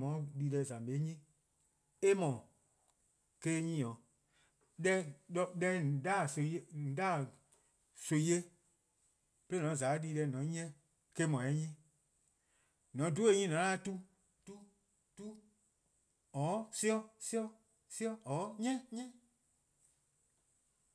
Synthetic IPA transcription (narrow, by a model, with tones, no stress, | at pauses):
mɔ̃˨˦ɗiː˧lɛ˧˨zã˨ɓe˨˦ɲĩ˦ | e˦mɔ̃˨ | keː˦ɲĩ˦˨ɔ̃˨˦ | lɛ˧ɔ˧ɗɛ˧˨daː˦˨so˧˦e˧˨daː˦˨ | so˧˨i˦e˦ | pe˦nɔ̃˨˦zaː˨˦ɗiː˧lɛ˧˨nɔ̃˨˦ɲ˦ɛ̃˦ | ke˧˦mɔ̃˨ɛ˨˦ɲĩ˦ | nɔ̃˨˦du˦e˧˦ɲĩ˦nɔ̃˨˦a˦tu˦ | tu˦ | tu˦ | ɔː˨˦si˦ɔ˧si˦ɔ˧ | si˦ɔ˧ɔː˨˦ɲɛ̃˦ɲɛ̃˦